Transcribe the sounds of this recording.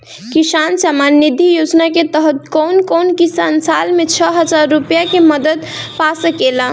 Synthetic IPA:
kisansamanːid̪ʱijod͡ʒnaket̪əɦt̪kownkonkisansalmet͡ʃʰəɦəd͡ʒaɾːupjakeməd̪əd̪ | pasəkelə̃

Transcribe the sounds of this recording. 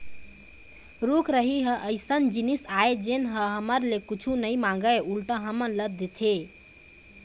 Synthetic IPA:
ɾukɾəɦiɦə̃ʔəɪsənd͡ʒinisaed͡ʒenɦəɦəməɾlekut͡ʃʰunəjmãŋ̆ɡəjulʈə̃ɦəmənləd̪ʱːət̪ʰe

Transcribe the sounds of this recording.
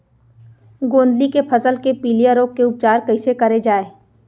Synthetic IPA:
ɡõːnd̪likepʰɐzəlkepiːlijəɾoːkːeʊp̚t͡ʃaːɾkɐɪsekɐɾed͡ʒaːeː

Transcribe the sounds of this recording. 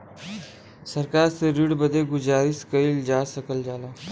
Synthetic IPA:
səɾkaːɾsəɾiɽbəd̪eːɡʊd͡ʒaːɾiːskəild͡ʒaːsəkəld͡ʒaːlaː

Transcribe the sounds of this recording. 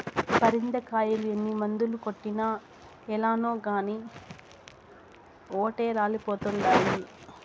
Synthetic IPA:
pɐɾind̪ɐkaːjɐluenːimɐnd̪ulukoʈːinɐ | ɛlaːnoːɡaːniː | oːʈeːɾaːlipoːt̪uɳɖaːɾu

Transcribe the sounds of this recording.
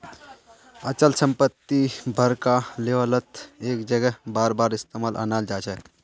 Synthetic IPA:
ət͡ʃəlsəmpət̪ːibʱəɾkaleʋələt̪eːkd͡ʒəɡɛbaːɾbaːɾɪst̪emalʔa̰nald͡ʒaːt͡ʃʰɛ

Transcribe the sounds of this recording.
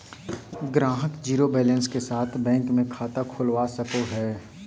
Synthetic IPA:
ɡɾãːɦəkd͡ʒiːɾobɛːlə̃nskesaːt̪ʰbɛ̃ːŋkmẽkʰaːt̪akʰʊlʋasəkoɦɛː

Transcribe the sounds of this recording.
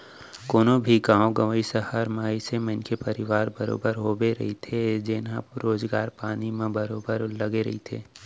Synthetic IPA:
koːnõbʱiɡãːõɡɐʋəisəhəɾmaːisemenkepɐɾɪʋaːɾbɐɾo̰ːbəɾɦoːbeɾɐ̰ɦit̪ʰed͡ʒɪnɦã̰ɾoːzɡaːɾpaːnimẽbɐɾoːbəɾlɐɡeɾɐ̰ɦit̪ʰḛː

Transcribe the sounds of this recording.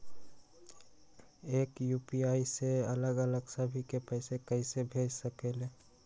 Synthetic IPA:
eːkjuːpiaːiseələɡələɡsəbʱikepɛːsekəisebʱeːd͡ʒsəkele

